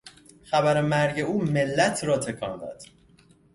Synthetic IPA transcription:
xæbæɾemæɾɟe̞uːme̞lːæt̪ʰɾɒːt̪ʰe̞kʰɒ̰ːnd̪ɒ̰ːd̪̥

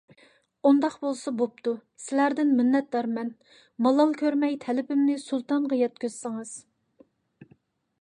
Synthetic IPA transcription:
und̪ɑqbolˠsɑbop̚t̪ʰu | sɪlæɾd̪ɪnmɪnːɛt̪lɑɾmɛn | mɑlˠɑlˠkʲʰøɾmɛjt̪ʰɛlɪpɪmnɪsulˠt̪ɑnʁɑjɛt̪̚kʲøz̥sɨŋɨz̥

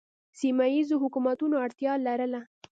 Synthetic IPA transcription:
simajizoɦʊkumat̪unoaɽt̪jɑlaɾəla

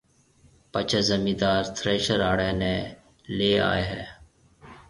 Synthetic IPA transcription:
pət͡ʃʰəzəmĩːd̪aːɾt̪ʰɾeːʃəɾaːɽɛːneː | leːa̰ːeːɦɛː

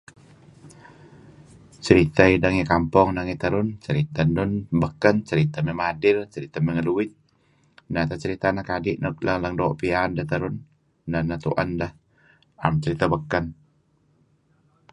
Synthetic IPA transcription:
t͡ʃəɾit̪aidaŋikampɔŋnaŋit̪əɾʊnt͡ʃəɾit̪andʊnbəkːənt͡ʃəɾit̪amɛmadɪlt͡ʃəɾit̪aməŋəluwɪt̪̚ | nat̪at͡ʃəɾit̪anahkadɪʔnək̚lələŋdoʔpiandaht̪əɾʊnː | anat̪ṵʔəndah | ʔamt͡ʃəɾit̪abəkːən

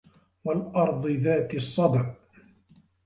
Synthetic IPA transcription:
walʔɑɾˤd̪ˤɨðaːt̪ɪsˤːɑd̪ʕ

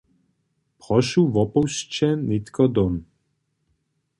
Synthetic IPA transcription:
pχɔʃuvɔpɔwʃt͡ʃɛnit̪kʰɔd̪on

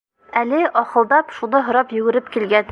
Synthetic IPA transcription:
ælɘʔɒqɤ̆lˠd̪ɑpʃunɤɦŏɾɑpjʉ̆ɡɘ̆ɾɘpkilɡæn

